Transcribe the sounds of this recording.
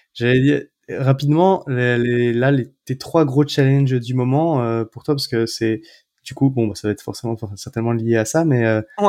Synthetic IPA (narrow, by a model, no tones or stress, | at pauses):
ʒ̥alɛd̪iːʁ | ʁapid̪mɑ̃lelelalet̪et̪χwaɡʁot͡ʃalɛ̃nʒd̪ymɔmɑ̃øpuʁt̪wapaʁsə̥kəsɛ | d̪̥ykubɔ̃basavaɛt̪χfɔʁsemɑ̃fɛ̃sɛʁt̪ɛnmɑ̃lijeasamɛø